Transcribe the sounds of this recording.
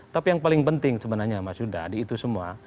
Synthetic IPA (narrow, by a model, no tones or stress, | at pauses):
t̪apijaŋpalɪŋpənt̪ɪŋsəbənarɲamasuda̰diːt̪usəmua̰